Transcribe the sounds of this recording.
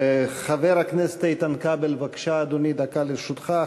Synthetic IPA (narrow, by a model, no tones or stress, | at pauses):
χaveɾakneset̪ait̪ankabelvakʃaːd̪onid̪akaleʃut̪χa